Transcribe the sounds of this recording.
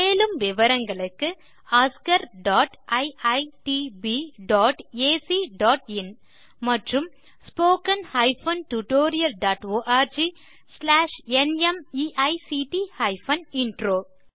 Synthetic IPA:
meːlɯmʋɪʋɐɾɐŋɡɐɭɯkːɯ | aːskɐɾɖaːʈʔɐɪɐɪʈibiɖaːʈeːsiːɖaːʈɪn | mɐʈrɯm | spoːkɐnhɐɪfɐnʈuʈoːɾɪjɐlɖaːʈoːʔaːɾd͡ʒiː | slaːʂɛnɛmiːʔɐɪsiʈihɐɪfɐnɪɳɖɾoː

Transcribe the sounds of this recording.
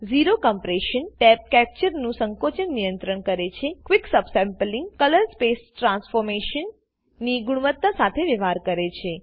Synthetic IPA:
ziɾokɔmpɾeʃənʈɛp̚kɛp̚t͡ʃəɾnũsəŋkot͡ʃənnijənt̪ɾəɳkəɾet͡ʃʰekʋiksəbsɛ̃mplĩŋɡkələɾspesʈɾãnsfoɾmeʃənː | iɡuɽ̃uʋət̪ːasat̪ʰeʋeʋaɾkəɾet͡ʃʰe

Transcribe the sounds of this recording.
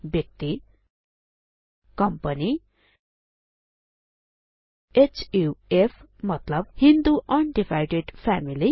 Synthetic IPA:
bjʌk̚t̪i | kʌmpʌni | et͡ʃuepʰmʌt̪lʌb̚hind̪uʔʌnɖifajɖeɖpʰæmili

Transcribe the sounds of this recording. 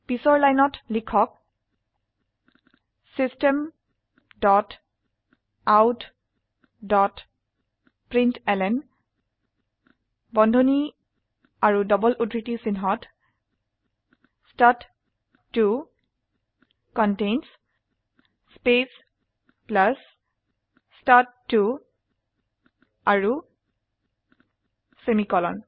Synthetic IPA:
pisɔɹlajnɔtlikʰɔk̚ | sistɛm | dɔt | awt | dɔt | pɹintɛlɛn | bɔndʱoni | aɹudɔbɔlʔudɹitisinɦɔt | stat | tːu | kɔntejns | spes | plas | stattːu | aɹu | semikɔlɔn

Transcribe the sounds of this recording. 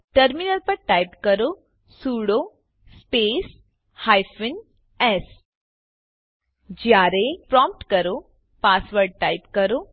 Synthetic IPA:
ʈəɾminəlpəɾʈaːjpkəɾo | suɽo | speːs | haːjfɪn | ɛs | d͡ʒjaːɾepɾɔmp̚ʈkɐɾo | paːsʋəɾɖ̚ʈaːjpkɐɾo

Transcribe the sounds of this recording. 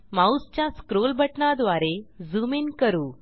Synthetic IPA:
maust͡ɕjaskɾolbʱəʈɳad̪ʋaɾed͡zuminkəɾuː

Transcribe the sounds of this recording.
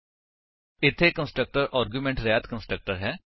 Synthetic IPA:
ɪt̪ʰːeːkə̃nsʈɾək̚ʈəɾʔaːɾɡjumẽːɳʈɾɛːt̪kə̃nsʈɾək̚ʈəɾɦɛː

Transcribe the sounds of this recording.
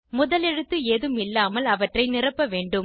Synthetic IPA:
mʊðɐlɛɻɯt̪ːɯeːðɯmɪlːaːmɐlɐʋɐʈrɐɪnɪrɐpːɐʋeːɳɖɯm

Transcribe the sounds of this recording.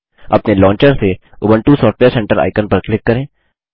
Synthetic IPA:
ɐ̰pnelɔ̃ːɲt͡ʃəɾse | oːbəɳʈusɔːʈweːɾsɛ̃ɳʈəɾʔa̰ːɪkənpɐɾklɪkːɐɾẽː

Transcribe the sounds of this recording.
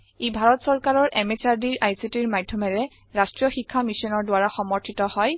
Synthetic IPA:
ebʱaɹɔtsɔɹkaɹɔɹʔɛmet͡ʃaɹdiɹʔajsitiɹmadʱjɔmɛɹɛ | ɹastɹijɔxikʰːamisɔnɔɹdwaɹaxɔmɔɹtʰitɔhɔj

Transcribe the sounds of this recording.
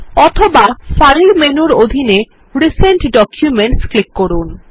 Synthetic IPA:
ɔt̪ʰobafaɾiɾmenuɾod̪ʱine | ɾiseɳʈɖɔkʰjumeɳʈsklikːɔɾun

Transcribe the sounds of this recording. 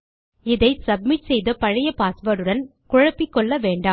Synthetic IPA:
ɪðɐɪsɐb̚mɪʈsɛjðɐpɐɻɪjɐpaːsʋɐːɾɯɽɐnkʊɻɐpːɪkːɔɭːɐʋeːɳɖaː

